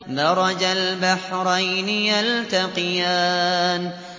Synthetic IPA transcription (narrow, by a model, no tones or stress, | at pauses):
d̪ɑɾˤɑd͡ʒalbaħɾajnɪjalt̪aqjaːn